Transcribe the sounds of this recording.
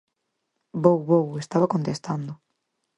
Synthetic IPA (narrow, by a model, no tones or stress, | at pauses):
bowβowest̪aβɐkont̪est̪and̪ʊ